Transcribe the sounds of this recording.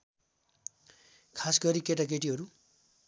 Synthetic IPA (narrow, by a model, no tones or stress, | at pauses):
kʰasɡʌɾikeʈakeʈ̬iɦʌɾu